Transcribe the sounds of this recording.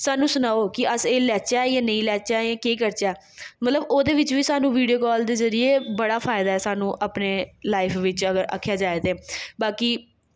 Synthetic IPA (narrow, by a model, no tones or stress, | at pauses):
saːnũːsʊnaːoːkɪʔəseːlɛːt͡ʃaːjaːnəĩːlɛːt͡ʃaːjãːkeːk̬əɾt͡ʃaː | mət̪ləboːd̪eːʋɪt͡ʃʋiːsaːnũːʋiːɖijoːkɔːld̪eːzəɾɪeːbəɽaːpʰaːɪd̪aːɦɛːsaːnũːʔaːpneːlaːɪfʰʋɪt͡ʃəɡəɾa̰ːkʰːjaːd͡ʒaːeːt̪eːbaːkiː